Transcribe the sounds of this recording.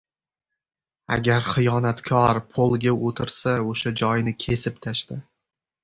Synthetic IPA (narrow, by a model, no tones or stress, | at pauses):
a̰ɡʲaɾχɨjɒnat̪kʲʰɒɾpʰolˠɡʲaot̪ʰɪɾsaoʃad͡ʒɒjnɪkʲʰe̞sɪpt̪ʰaʃt̪ɪ